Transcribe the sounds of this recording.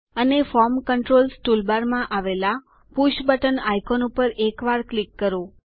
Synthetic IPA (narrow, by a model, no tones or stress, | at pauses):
ənefɔɾmkəɳʈɾolsʈulbaɾmãʔaʋela | puʃbəʈənajkɔnupəɾekʋaɾklikːəɾo